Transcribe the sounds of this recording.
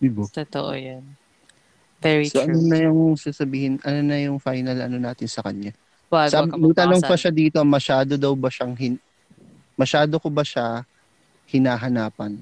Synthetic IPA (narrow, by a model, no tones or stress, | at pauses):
d̪ibot̪ot̪oʔo̰jɐn | vɛɹsoʔɐnonɐjʊŋsasɐbiːhɪnʔɐnonɐjʊŋfajnɐlɐ̰nonaːt̪ɪnsɐkɐɲa | wasabmɐɡ̚t̪ɐnoŋpɐʃad̪iːt̪o̞mɐʃaːd̪od̪ɐwbɐʃaŋɦɪn | mɐʃaːd̪okobɐʃa | hɪnaːɦɐnaːpɐn